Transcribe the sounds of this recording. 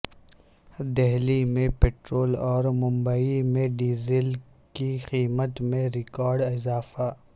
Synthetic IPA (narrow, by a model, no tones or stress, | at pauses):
d̪ɛɦlimẽpeːʈɾoːlɔːɾmʊ̃mbaimẽɖiːzɪl | kixiːmət̪mẽɾɪkɔːɾɖɪzaːfa